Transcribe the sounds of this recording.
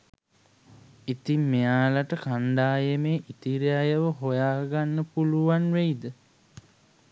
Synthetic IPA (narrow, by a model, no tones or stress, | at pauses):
it̪imːejaːlaʈəkaɳɖaːjemeːʔit̪iɾjajəʋəɦojaːɡanːəpuluʋanʋejd̪ə